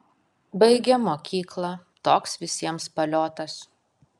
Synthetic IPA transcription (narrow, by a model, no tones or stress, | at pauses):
bɐɪɡʲɛmoːkʲiːklˠɐ | t̪oːksʋʲɪsʲiɛmspɐlʲoːt̪ɐs